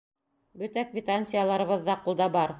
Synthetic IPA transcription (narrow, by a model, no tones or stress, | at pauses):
bɵ̆t̪ækvʲit̪anʲsʲɪjalˠɑɾɤ̆βɤ̆ðːɑqulˠd̪ɑbɑɾ